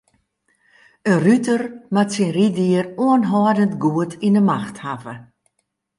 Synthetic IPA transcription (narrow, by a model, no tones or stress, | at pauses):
ənrytərmatsinridiəruənɦɔːdəntɡuətʰinəmaxthavə